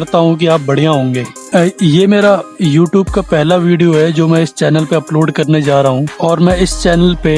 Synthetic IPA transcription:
ɾt̪aɦũkiaːp̚bɐɽ̤ijãɦõːŋɡeː | jeːmeːɾajuːʈjuːbkapɛɦlaʋiːɖijoɦɛd͡ʒoːmɛ̃ːɪst͡ʃɛːnəlpeɐploːɖkɐɾned͡ʒaːɾaɦũɔːɾmɛ̃ɪst͡ʃɛːnəlpe

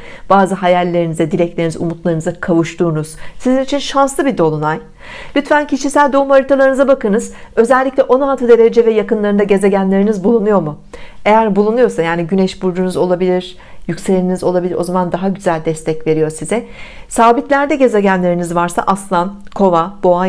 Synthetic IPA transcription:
b̥aːzɯɦajalʲːe̞ɾinizɛd̪iɾɛc̚lʲeinizṵmut̪lˠaɾɯnɯzakʰavuʃt̪ʰuːnuz̥sizinit͡ʃʰinʃanslˠɯbid̪o̞lˠunaj | lʲyt̪fæncʰiʃisælʲd̪o̞umaɾit̪ʰalˠaɾɯnɯzabakɯnɯz | ø̞zɛlʲːicʲlʲɛʔo̞nalˠt̪ʰɯd̪e̞ɾed͡ʒɛvɛjakɯnlˠaɾɯnd̪aɟe̞ze̞ɟænlʲe̞ɾinizbulˠunujo̞ɾmue̞jæɾbulˠunujo̞ɾsajaːniɟynɛʃbuɾd͡ʒunuzo̞lˠabilʲiɾ̥ | jycʲselʲiinizo̞lˠabilʲiɾʔo̞zamand̪aɦaɟyzælʲd̪ɛst̪ʰɛcve̞ɾijo̞ɾsizɛsaːbit̪lʲæɾd̪ɛɟe̞ze̞ɟænlʲe̞ɾinizvaɾsa̰ʔaslˠankʰo̞vabo̞a

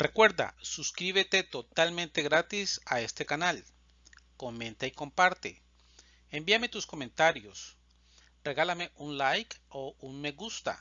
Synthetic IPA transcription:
rekwe̞ɾd̪a̰suskɾiβet̪e̞t̪o̞t̪almẽnt̪e̞ɣɾat̪isae̞st̪e̞kanal | ko̞mẽ̞nt̪aiko̞mpaɾt̪ḛ | embiame̞t̪usko̞ment̪aɾjos | reɣalameʔunlajkounmeɣust̪a̰

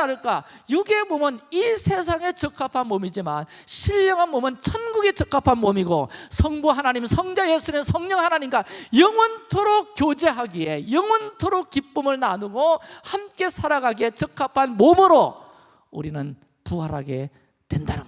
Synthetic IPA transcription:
aɾɯɭk͈ajuɡe̞momɯnisʰe̞s̬ʰaŋe̞t͡ɕʌk͈ʰapʰanmomid͡ʑiman | ɕʰiʎːʌŋɦanmomɯnt͡ɕʰʌnɡuɡet͡ɕʌk͈ʰapʰanmomiɡosʰʌŋbuɦanaɲimsʰʌŋd͡ʑajesʰuɾimsʰʌŋɲʌŋhanaɲimɡajʌŋwʌntʰoɾok̚k͈jod͡ʑe̞ɦaɡie̞jʌŋwʌntʰoɾok̚kip͈ɯmɯɭnanuɡohamk͈e̞sʰaɾaɡaɡiet͡ɕʌk͈ʰːapʰanmomɯɾo | uɾinɯn | puɦaɾaɡe̞̰ | twe̞nda̰nɯ

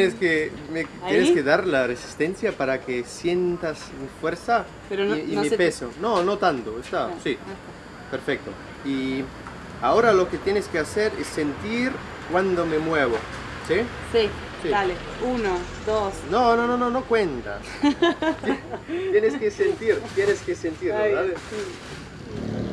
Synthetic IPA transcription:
jeneskemet̪jeneskeðaɾlaresi̥st̪ensjapaɾakesje̞nt̪as | mifweɾsa | peɾonnmipesonono̞t̪ant̪oest̪asi | peɾfek̚t̪o̰ | i | ao̞ɾalo̞ket̪jeneskeaseɾesːe̞nt̪iɾ | kwand̪o̞me̞mweβ̞o | si | si | sidale | unod̪osnonono̞nono̞kwent̪a̰s | t̪jeneskesent̪iɾt̪jeneskesent̪iɾoɾaβes

